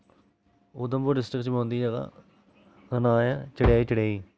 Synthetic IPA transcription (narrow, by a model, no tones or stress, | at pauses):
oːd̪əmboːɖɪsʈɾɪkt͡ʃmõːnd̪iːd͡ʒaɡa̰ː | ɡənaːjaːt͡ʃəɽjaːiːt͡ʃəɽaːiː